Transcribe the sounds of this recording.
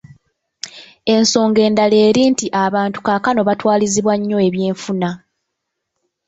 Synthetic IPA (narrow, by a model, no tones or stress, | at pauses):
e̞nso̞ːŋɡe̞ːndale̞ːɾiːntiʔaβaːntu̥kakano̞βatwaːliziβwaɲːo̞e̞βje̞ːɱfuna